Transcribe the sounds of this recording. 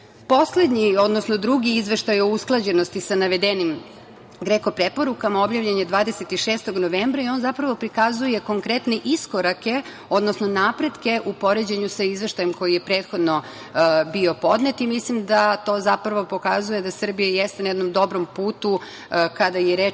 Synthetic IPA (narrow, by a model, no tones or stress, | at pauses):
po̞sle̞d̪ɲio̞d̪no̞sno̞d̪ɾuɡiizʋe̞ʃt̪ajousklˠad͡ʑenost̪isanaʋe̞d̪enim | ɡɾeko̞pɾepo̞ɾukamao̞bʎaːʋʎeɲed̪ʋaːd̪eset̪iʃeːst̪oɡnoʋembɾaio̞ːnzapɾaʋo̞pɾikazuje̞ko̞ŋkɾet̪neʔiskoɾake̞ | od̪no̞sno̞naːpɾe̞d̪ke̞ʔupo̞ɾe̞d͡ʑe̞ɲusaizʋe̞ʃt̪ajemko̞jije̞pɾe̞ːt̪xo̞d̪no | bio̞po̞d̪net̪imislimd̪at̪o̞ːzapɾaʋo̞po̞kazuje̞d̪asr̩bijajɛst̪enajɛd̪no̞md̪o̞bɾo̞mpuːt̪u | kad̪ajeɾe